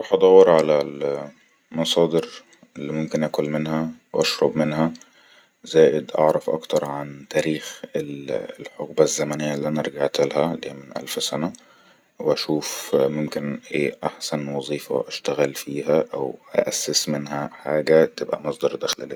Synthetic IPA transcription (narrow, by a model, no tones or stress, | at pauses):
ɑħʔɑd̪ˤɑwːeɾʕalæl | mɑsˤɑːd̪ɨɾ | elːimomkenʔækolmenhæwʔɑʃɾˤɑbmenɦæ | zæːʔɪd̪ʔɑ̰ʕɾˤɑfʔɑ̰kt̪ɑɾˤʕant̪æːɾiːxellħoɣbæzːæmænejːælːiʔænæʔɑɾˤɡaʕt̪ɪlhælːiːæmɪnʔæ̰lfsænæ | weʔæʃuːfmomkenʔḛːʔaħsænwɑzˤiːfɑ̰ʔæʃt̪æɣælfiːɦæʔæwʔæ̰ʔæsːɪsmenɦæħaːɡæt̪ebʔæ̰mɑsˤd̪ɑɾˤd̪æxlʔleː